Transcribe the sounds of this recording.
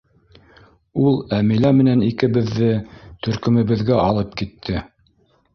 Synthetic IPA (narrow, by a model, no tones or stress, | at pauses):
ulˠæmilæmɘ̆nænikɘ̆βɘ̆ðːɘt̪ɵ̆ɾkɵ̆mɘ̆βɘ̆ðɡæʔɑlˠɤpkit̪ʰːɘ